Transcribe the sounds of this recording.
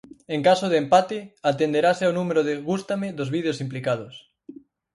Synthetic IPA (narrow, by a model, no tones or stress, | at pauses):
eŋkasoðempat̪eat̪end̪eɾaseawnũmeɾoðeɣust̪ameðozβiðeosimplikað̞os